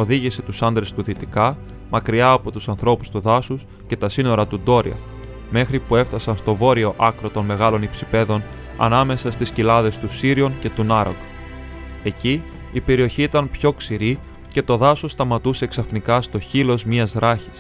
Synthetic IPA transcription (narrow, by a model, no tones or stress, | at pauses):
o̞ðiʝise̞t̪usɐnd̪ɾe̞st̪uðit̪ikɐ | mɐkɾiɐːpo̞t̪usɐnθɾo̞pu̥st̪uðɐsus | ce̞t̪ɐsino̞ɾɐt̪ud̪o̞ɾḭɐ̰θ | me̞xɾipue̞ft̪ɐsɐnst̪o̞vo̞ɾio̞ʔɐkɾo̞t̪o̞nme̞ɣɐlo̞nipsipe̞ðo̞n | ɐ̰nɐme̞sɐst̪iscilɐðe̞st̪usiɾio̞nce̞t̪unɐɾo̰k | e̞ciː | pe̞ɾio̞çiːt̪ɐnpço̞ksiɾi | ce̞t̪o̞ðɐso̞st̪ɐmɐt̪use̞ksɐfnikɐst̪o̞çilo̞zmiɐzɾɐçi̥s